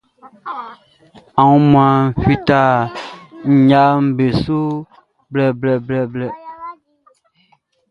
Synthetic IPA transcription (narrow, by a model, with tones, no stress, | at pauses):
a˨wũ˦mã˨fi˦ta˦˨ | ɲ̩˨ɲa˦m̩˨be˨su˦ | blɛ˨blɛ˨blɛ˨blɛ˨